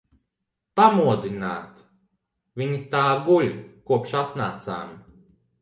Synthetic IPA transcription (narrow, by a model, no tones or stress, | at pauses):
pamuɔd̪inaːt̪ | vʲiɲit̪aːɡuʎʲkuɔpʃat̪naːt̪sa̰ːmi